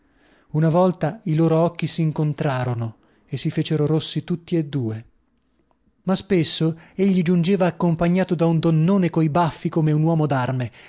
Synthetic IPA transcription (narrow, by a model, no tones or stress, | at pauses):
unavɔlt̪ailoːɾoɔkːisiːŋkont̪ɾaːɾono | esːifeːt͡ʃeɾoɾosːit̪ut̪ːied̪ːuːe | maspesːoeʎːid͡ʒund͡ʒeːvaːkːompaɲːaːt̪od̪aund̪onːoːnekoibafːikomeunwɔːmod̪arme